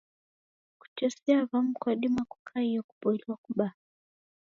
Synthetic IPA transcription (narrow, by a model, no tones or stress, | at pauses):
ku̥t͡ʃɔsɛavam̩kwaɗimaku̥kʰaijɔku̥pɔiliwakuɓa